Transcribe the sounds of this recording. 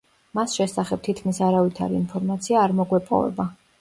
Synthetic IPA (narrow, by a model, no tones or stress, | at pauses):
masʃɛsaχɛb̥̚t̪ʰit̪kʰmisaɾavit̪ʰa̰ɾḭinpʰɔɾmat̪sʰiaːɾmɔɡwɛpʼɔ̰vɛ̰ba